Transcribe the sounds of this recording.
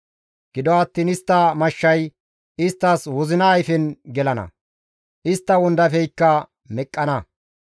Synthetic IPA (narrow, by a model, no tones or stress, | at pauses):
ɡ̥ɪd̪ɔɐt̪ːiːnɪst̪ːɐmɐʃːɐj | ɪst̪ːɐːswɔzɪnɐːjfɛnɡɛlɐnɐ̰ | ʔɪst̪ːɐwɔnd̪ɐfɛjkːɐ | mɛkʼːɐnɐ